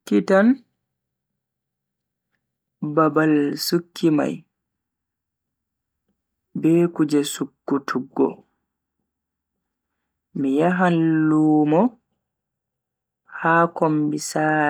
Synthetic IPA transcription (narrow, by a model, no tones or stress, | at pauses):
kːitan | babalsukʰːima̰j | bɛːkud͡ʒɛsukːutʰuɡːɔ̰ | mijaɦanluːmɔ | haːkombisaː